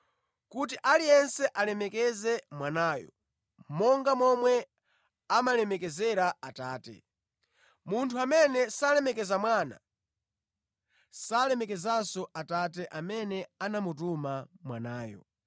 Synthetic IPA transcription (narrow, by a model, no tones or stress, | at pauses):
kutiʔalijɛnsɛʔalɛmɛkɛzɛmwanaːjɔ̰ | mɔŋɡamɔmwɛ | amalɛmɛkɛzɛɾaataːtɛ̰ | muntʰuamɛnɛsalɛmɛkɛzamwana̰ | salɛmɛkɛzasɔʔatatɛʔamɛnɛanamut̬umamwanaːjɔ̰